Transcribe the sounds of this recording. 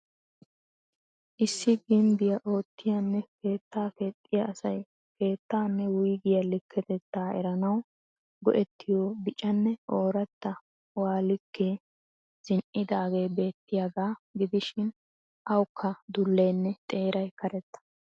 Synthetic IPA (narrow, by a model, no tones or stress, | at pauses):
ʔɪsːɪɡɪmb̪ɪjɐʔo̞ːt̪ːɪjɐnːɛke̞ːt̪ːaːke̞ːt̪ʼːɪjɐːsɐj | ke̞ːt̪ːaːnːɛwʊjɡɪjɐlɪkʰːɛt̪ɛt̪ːaːɛ̰ɾɐnɐw | ɡɔ̰ʔɛt̪ʰːɪjoːbɪt͡ʃʼɐnːɛʔoːɾɐt̪ːɐ | waːlɪkʰːeː | z̥ɪnʔɪd̪aːɡe̞ːbe̞ːt̪ːɪjaɡaːɡɪd̪ɪʃɪn | ʔɐwkʰːɐd̪ʊlːejnːɛt̪ʼe̞ːɾɐjkɐɾɛt̪ːɐ̥